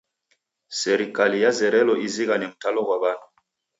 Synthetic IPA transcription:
sɛɾikalijazɛɾɛlɔʔiziɣanɛm̩talɔɣwaβanu

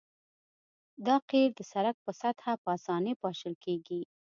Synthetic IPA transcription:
d̪ɑqeɾd̪əsaɾak̚pəsat̪hapɑsɑnepɑʃəlkeɡi

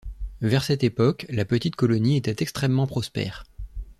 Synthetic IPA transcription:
vɛʁsɛt̪epɔklapət̪it̪̚kɔlɔniet̪ɛt̪ɛkst̪χɛmːɑ̃pχɔspɛ̰ːʁ

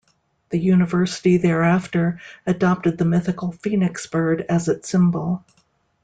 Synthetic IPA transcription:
ðɨjʉnɨvɜ˞sɨɾiðə˞æftə˞ɨdɑp̚tɨd̪̚ðɨmɪθɨkl̩ˠfĩnɨksb̥ɜ˞ɾɨzɨtsɪ̃mbl̩ˠ

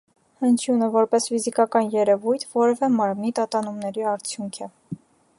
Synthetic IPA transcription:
hənt͡ʃʰjunəvɔɾpɛsfizikɑkɑnjɛɾɛvujt̪ʰvɔɾɛvɛmɑɾmnit̪ɑt̪ɑnumnɛɾiɑɾt͡sʰjuŋkʰɛ

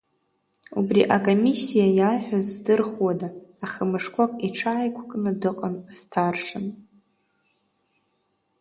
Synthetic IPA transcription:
ṵbrḭʔakʼomisːijajarħᶣazdɨrχwadaːχəmɨʂkʷʰʼakʷʼiʈ͡ʂʰaːjkʷʰkʼnɨdɨqʼənz̥tʰarʂɨn

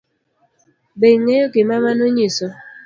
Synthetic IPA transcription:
beŋejokemamanoɲisɔ

